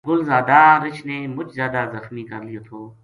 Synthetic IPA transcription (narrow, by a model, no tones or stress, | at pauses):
ɡʊlzaːd̪aɾɪt͡ʃneːmʊt͡ʃʰzjaːd̪aːzɐxmiːkɐɾlɪjoːt̪ʰoː